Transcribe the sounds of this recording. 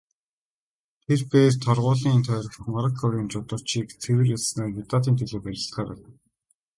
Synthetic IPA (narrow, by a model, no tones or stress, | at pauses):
t̪ʰerpeːrt̪ʰɔrʁʊːɮiːnt̪ʰœːɾɞ̆χ̆χmaɾə̆kʰɔɾiːnt͡ɕʊt̪ə̆r̥t͡ɕiːkt͡sʰewɘ̆rjaɮsnaːrmit̪aːt̪̬iːnt̪ʰeɮoːpæɾʲɪ̆ɬt̪χaːɾæ̰w̆